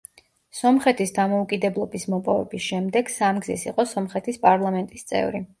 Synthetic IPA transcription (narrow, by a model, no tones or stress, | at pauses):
sɔmχɛt̪ʰisd̪amɔukʼid̪ɛblˠɔbismɔpʼɔvɛ̰bisʃɛmd̪ɛɡ̥samɡzḭsḭqʼɔsɔmχɛt̪ʰispʼaɾlˠamɛnt̪ʼist̪sʼɛ̰vɾi